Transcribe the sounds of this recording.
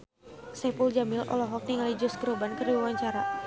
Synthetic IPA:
sɛpuld͡ʒamɪlʔɔ̰lɔɦɔk̚niŋalid͡ʒɔskəɾobankərdibawaɲt͡ʃaɾa

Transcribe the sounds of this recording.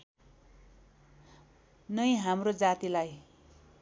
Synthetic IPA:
nʌjɦamrod͡zat̪ilaj

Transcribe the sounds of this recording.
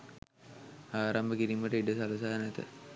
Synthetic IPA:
aːɾambəkiɾiməʈəiɖəsaləs̬aːnɛt̪ə̰

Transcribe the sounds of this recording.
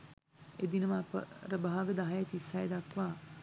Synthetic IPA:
ed̪inəmapə̰ɾəbɐɦaɡəd̪aɦajat̪isːajd̪akʋaː

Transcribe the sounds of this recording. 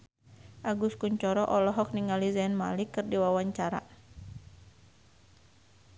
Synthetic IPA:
ʔaɡuskuɲt͡ʃɔɾɔʔɔlɔɦɔk̚niŋalizɛnma̰likɨrdiwawaɲt͡ʃaɾa̰

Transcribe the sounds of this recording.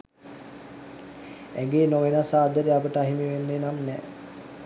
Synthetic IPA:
æɡeːnoʋenasaːd̪əɾeapəʈəaɦimiʋenːenamnɛː

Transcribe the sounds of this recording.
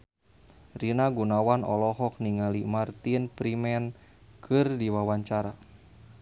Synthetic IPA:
rinaɡunawanɔ̰lɔɦɔk̚niŋalimart̪inpɾimɛn | kʰɨrdiwawaɲt͡ʃaɾa

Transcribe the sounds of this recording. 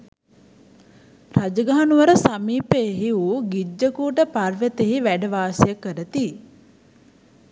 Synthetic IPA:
rad͡ʒəɡaɦanuʋəɾəsamiːpeːɦiuɡid͡ʒːəkuːʈəparʋət̪eɦiʋæɖəʋaːsejəkːəɾət̪i

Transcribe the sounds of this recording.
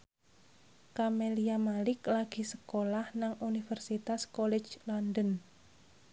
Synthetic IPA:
kameliamalɪklaɡ̥i̤sə̥kolahnaŋunifərsit̪askɔlɛ̥d͡ʒlandən

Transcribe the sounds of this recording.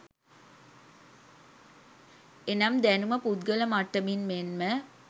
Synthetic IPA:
enɐmd̪ænuməpud̪ɡələmaʈːəminmenmə

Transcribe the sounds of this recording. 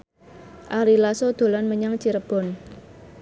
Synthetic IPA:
ʔaɾilasod̪̥o̤lanməɲaŋt͡ʃiɾəb̥ɔ̤n

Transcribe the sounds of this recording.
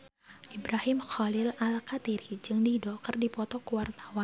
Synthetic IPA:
ʔibɾahɪmxɔlɪlalkat̪iɾid͡ʒɨŋdidɔkɨrdipɔt̪ɔkəwart̪ḁwan

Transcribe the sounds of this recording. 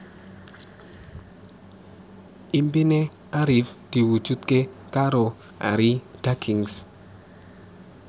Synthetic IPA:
imbine | aɾifd̥iwut͡ʃut̪̚kekaɾo | a̰ɾid̥akʰiŋs

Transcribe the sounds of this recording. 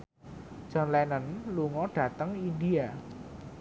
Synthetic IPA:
d͡ʒ̥ɔ̤nlɛnənluŋɔɖ̥ä̤t̪əŋindia

